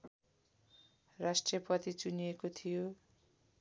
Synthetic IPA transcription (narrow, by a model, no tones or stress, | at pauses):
rasʈriʌpʌt̪it͡sunijekot̪ʰijo